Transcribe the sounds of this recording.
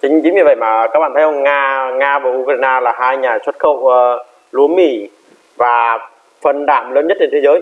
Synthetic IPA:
t͡ɕï˨˦ŋ̟t͡ɕï˨˦ŋmi˧˩və̰˧˨jmaː˨˩˨kaː˦˥ɓa̰ː˧˨t̪ʰʔə˧ŋ͡mŋaː˧ŋaː˧vaː˨˩ʔu˧kɾːjnaː˧laː˨˩ɦaː˧jɲaː˨˩swə˦˥t̚xə˧˨wə˨˧ | lu˨˦ənmḭ˧˩ | vaː˨˩ | fə˨˩nɗaː˧˩˨mləː˨˦nɲə˦˥t̚t͡ɕe˧nt̪ʰe˨˦zəː˨˦

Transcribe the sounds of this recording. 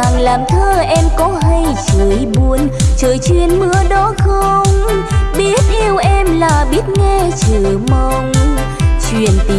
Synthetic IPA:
aː˨˩ŋlaː˨˩mt̪ʰəː˧ʔɛ˧mkɔ˨˦ɦə˧jt͡ɕəː˧˨˩jɓu˨˦ənt͡ɕəː˨˩jt͡ɕwi˨˩ənmɨ˨˧˥əɗɔ˨˦xə˧ŋ͡mɓi˦˥ət̚ʔi˧əwʔɛ˧mlaː˨˩ɓi˦˥ət̚ŋɛ˧t͡ɕɨː˧˩mə˧wŋ͡m | t͡ɕwḭ˨˧˩ənt̪i˨˧˩

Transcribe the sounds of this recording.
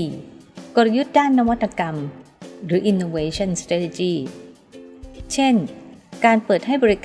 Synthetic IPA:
i˨˩kɔ˨˩ɾju˦˥t̪̚daː˥˩nːa˦˥wa˦˥t̪ʰːa˧ka˧m | ɾɯː˩˦ʔi˧nːoː˧weː˦˥t͡ɕʰɔ˥˩nst̪ɾa˦˥t̪e˧˩t͡ɕiː˥˩ | t͡ɕʰe˥˩nkaː˧npɤː˨˩t̪̚ha˥˩jbɔ˧ɾi˦˥k

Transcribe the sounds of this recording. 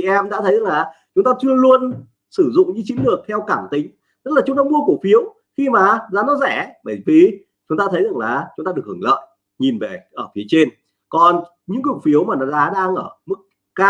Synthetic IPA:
i˨˩˨ʔɛ˧mɗa̰ː˧˥ə˨˦za˨˩ŋlaː˨˩t͡ɕʊ˨˦ŋ͡mt̪aː˧t͡ɕɨ˧əlu˧ən | sɨ˧˩zʊ̰˧˨ŋ͡mɲɨ̰˧˥t͡ɕi˨˦nlɨ˨˩ək̚t̪ʰɛ˧wkaː˧˩mt̪ï˨˦ŋ̟ | t̪ə˦˥t̚laː˨˩ʊ˨˦ŋ͡mt̪aː˧mu˧əku˧˩fi˨˦əw | xi˧maː˨˩zaː˨˦nɔ˨˦zɛ˧˩ɓə˧˩jvi˨˩ | t͡ɕʊ˨˦ŋ͡mt̪aː˧ə˨˦jza˨˩ŋlaː˨˩t͡ɕʊ˨˦ŋ͡mt̪aː˧ɗək̚hɨ˧˩ŋlə̰ː˧˨j | ɲi˨˩nve˧˨˩ʔəː˧˩fi˨˦ət͡ɕe˧n | kɔ˨˩n | ɲɨ̰˧˥ŋkʊ˨˩k̚fi˨˦əwmaː˨˩nɔ˨˦zaː˨˦ɗaː˧ŋʔəː˧˩mɨ˦˥k̚ːaː˧

